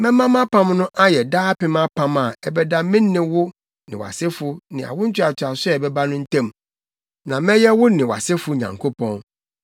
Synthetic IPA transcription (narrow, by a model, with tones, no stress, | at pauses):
mɛ̃˦mã˦ma˦pʰã˦mnʊ̃˦ʔa˦jɛ˨daː˦pɪ̃˦ma˦pʰã˦ma˨ɛ˨bɛ˦da˦mɪ̃˦nːɪ̃˦wʊ˦ | nɪ̃˨wa̰˨sɪ˦fʊ˦nɪ̃˨a̰˨wʊ̃˦n̩˦t͡ɕʰᶣɪ˦a˨t͡ɕʰa˨sʊ˦ɛ˨bɛ˦ba˦nʊ̃˦n̩˦tʰɛ̃˦m | nã˨mɛ̃˦jɛ˦wʊ˦nɪ̃˨wa̰˨sɪ˦fʊ˨˦ɲã̰˨ŋkʰo˦pʰɔ̃˦n